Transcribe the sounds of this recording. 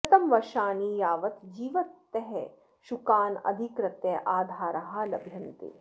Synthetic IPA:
t̪ɐmʋɐʃaːniːjaːʋɐt̪d͡ʒiːʋɐt̪ːɛɦɛ | ʃukaːnɐ̰d̪ʱikɾɐt̪jɐʔaːd̪ʱaːɾɐɦɐ̆lɐbʱjɐnt̪ḛː

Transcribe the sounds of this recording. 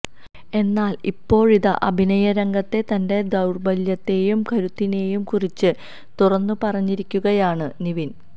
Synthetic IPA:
e̞nːaːlipːo̞ːɻiðɐʔɐ̰bʱinɐjɐɾɐŋɡɐt̪ːe̞t̪ɐnde̞d̪ɐwrbɐljɐt̪ːe̞ːjumkʰɐɾut̪ːine̞ːjumkurit͡ɕːɨ | t̪urɐnːupɐrɐɲːiɾikʲːuɣɐjaːɳɨniʋin

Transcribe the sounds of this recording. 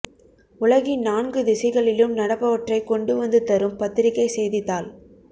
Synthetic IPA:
ʊɭɐɣinaːnɡɯðɪsɐɪɣɐɭɪlɯmnɐɽɐpːɐʋɐʈrɐɪkɔɳɖɯʋɐnd̪ɯt̪ɐɾɯmpɐt̪ːɪɾɪkːɐɪsɛjðɪt̪ːaːl

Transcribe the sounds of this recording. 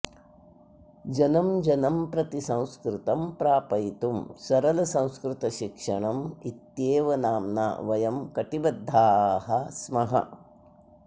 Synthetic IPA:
d͡ʒɐnɐmd͡ʒɐnɐmpɾɐt̪isɐ̃w̃skɾɪt̪ɐmpɾaːpɐjt̪umsɐɾɐlɐsɐ̃w̃skɾɪt̪ɐʃikʂɐɳɐmit̪jeːʋɐnaːmna̰ʋɐjɐmkɐʈibɐd̪ʱːaːɦɐsmɐɦɐ̰

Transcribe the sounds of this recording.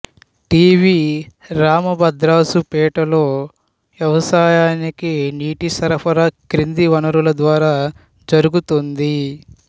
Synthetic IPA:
ʈiːʋiːɾaːmɐbɐd̪ɾaːsupɛːʈɐlo̞ː | ʋjɐʋɐsaːjaːnikiniːʈisɐɾɐpʰɐɾɐkɾind̪iʋɐnɐɾulɐd̪ʋaːɾaː | d͡ʒɐɾuɡut̪und̪i

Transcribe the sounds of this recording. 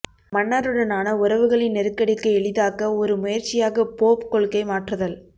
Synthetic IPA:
mɐɳːɐɾɯɽɐnaːnɐʊɾɐʋɯɣɐɭɪnnːɛɾɯkːɐɽɪkːɯɛɭɪðaːkɐɔɾɯmʊjɐɾt͡ʃɪjaːɣɐpoːpkɔɭkɐɪmaːʈrɐðɐl

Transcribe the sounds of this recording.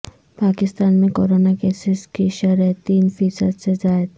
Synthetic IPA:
paːkɪst̪aːnmẽkoːɾoːnakeːsɪskiʃəɾɛt̪iːnfiːsəd̪sezaːjd̪

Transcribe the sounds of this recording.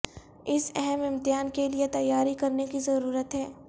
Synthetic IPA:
ɪsɛɦɛmɪmt̪ɪjaːnkeliet̪ɐjːaːɾikɐɾnekizɐɾuːɾət̪ɦɛː

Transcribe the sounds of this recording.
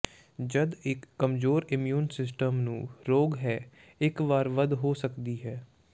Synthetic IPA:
d͡ʒəd̪ɪkːəmzoːɾɪmjuːnsɪs̬ʈəmnũːɾoːɡɦɛː | ɪkʋaːɾʋəd̪ɦoːsəkd̪iːɦɛː

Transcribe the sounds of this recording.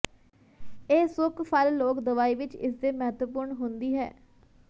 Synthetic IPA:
eːsʊkpʰəlloːkd̪əʋaːiːʋɪt͡ʃɪ̰sd̪eːmɛɦt̪ʋəpʊɾɳɦʊnd̪iːɦɛː

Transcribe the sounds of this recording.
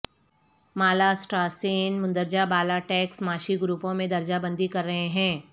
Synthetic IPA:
maːlasʈɾaːseːnmʊ̃nd̪əɾd͡ʒabaːlaʈɛːksmaːʃiɡɾuːpõmẽd̪ɐɾd͡ʒabɐ̃nd̪ikɐɾːɐɦeɦɛ̃ː

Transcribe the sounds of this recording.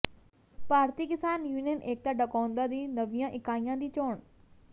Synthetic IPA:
paːɾt̪iːkɪsaːnjuːnijənʔeːk̚t̪aːɖəkãːnd̪aːd̪iːnəʋɪjãːʔɪkaːijãːd̪iːt͡ʃoːɳ

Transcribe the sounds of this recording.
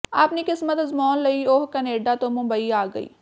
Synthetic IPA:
aːpniːkɪsmət̪əzmɔːnləiːoɦkəneːɖaːt̪õːmʊmbəiːaːɡəḭː

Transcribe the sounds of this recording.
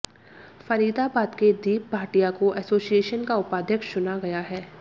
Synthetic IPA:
fɐɾiːd̪abaːd̪ked̪iːp̚bʱaːʈijakoʔɛsoːsijeːʃənkaʊpaːd̪ʱjəkʃt͡ʃʊnaɡɐjaɦɛː

